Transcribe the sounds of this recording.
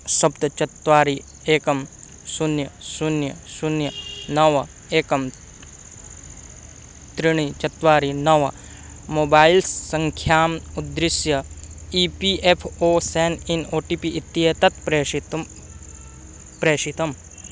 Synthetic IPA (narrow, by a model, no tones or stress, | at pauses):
sɐbt̪t͡ʃɐt̪ʋaːɾi | eːkɐm | sunjɐsunjɐsunjɐnɐʋɐ | eːkɐm | t̪ɾiɳ̃it͡ʃɐt̪ʋaːɾinɐʋɐ | moːbaːilsɐ̃ŋkʰjaːmud̪ɾɪsjɐiːpiʔepʰoːseːninoːʈiːpiʔit̪ːiet̪ɐt̪pɾeːt̪ | pɾeːʃit̪ɐm